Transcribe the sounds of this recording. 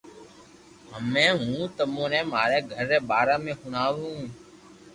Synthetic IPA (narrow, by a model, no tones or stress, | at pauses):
ɦəmːẽːɦũːt̪əmõːneːmaːɾeːɡʱəɾːeːɓaːɾaːmẽːhʊɳaːʋũː